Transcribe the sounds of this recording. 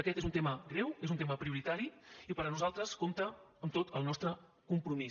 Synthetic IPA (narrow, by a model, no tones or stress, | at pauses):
əkɛt̪ezunt̪eməɡɾɛwezunt̪eməpɾiuɾit̪aɾiipəɾənuzalˠt̪ɾəskomt̪əːmt̪ot̪əlˠnɔst̪ɾə | kumpɾumi